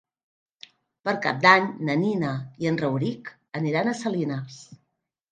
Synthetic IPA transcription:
pəɾka̰p̚d̪aɲnəninəiənrəwɾik | əniɾanəsəlinas

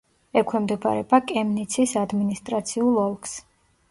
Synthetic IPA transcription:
ɛkʰwɛmd̪ɛba̰ɾɛ̰bakʼɛmnit̪sʰisad̪minist̪ʼɾat̪sʰiulˠɔlˠks

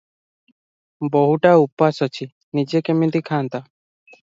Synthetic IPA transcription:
bɔɦuʈaupasɔt͡ʃʰi | nid͡ʒekemit̪ikʰant̪a

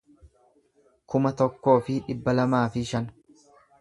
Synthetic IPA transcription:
kʊmɐt̪ɔkːo̞ːfɪᶑɪbːɐlɐmaːfɪʃɐn

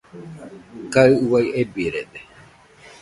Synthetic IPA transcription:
kaɨɨwajʔebiɾed̪e

